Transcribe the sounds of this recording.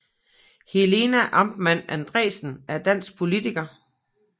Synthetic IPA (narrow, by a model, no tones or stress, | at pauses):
hele̝næʔɑ̈mb̥mæn̰ænd̥ʁɛ̰ːsn̩æɐd̥æn̰sɡ̥̚pʰo̝lit͡sʰiɡ̥ɐ